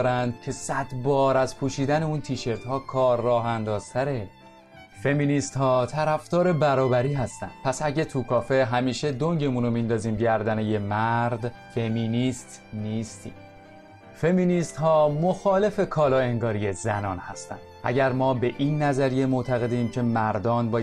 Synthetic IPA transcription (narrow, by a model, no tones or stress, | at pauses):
ɾænd̪̚cʰe̞sæd̪bɒːɾæzpʰuːʃiːd̪æne̞uːnt̪ʰiːʃe̞ɾt̪hɒːkʰɒːɾːɒːɦænd̪ɒːz̥t̪ʰæɾe̞ | fe̞miːnist̪hɒːt̪ʰæɾæft̪ɒːɾe̞bæɾɒːbæɾiːɦæst̪æ̰nd̪̥̚pʰæsæɟet̪ʰukʰɒːfe̞ɦæmiːʃe̞d̪o̞ŋɟe̞munomind̪ɒːziːmɟæɾd̪ænejemæɾd̪ | fe̞minist̪ | niːst̪ʰḭːm | fe̞minist̪hɒːmoxɒːle̞fe̞kʰɒːlɒːeŋɡɒːɾijezænɒːnhæst̪æ̰nd̪ʔæ̰ɟæɾmɒːbe̞ʔiːnːæzæɾije̞mot̪ʰæɣe̞d̪iːmcʰe̞mæɾd̪ɒːnbɒː